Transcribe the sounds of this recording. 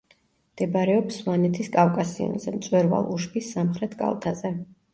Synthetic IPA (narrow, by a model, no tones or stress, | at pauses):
md̪̥ɛbɾɛɔpsvanɛt̪ʰiskʼavkʼasiɔ̰nzɛmt̪sʼwɛɾva̰lˠuʃbisːamχɾɛt̪ʰkʼa̰lˠt̪ʰazɛ